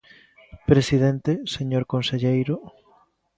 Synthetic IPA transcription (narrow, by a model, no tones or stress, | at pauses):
pɾesið̞ent̪eseɲoɾkonseʎejɾo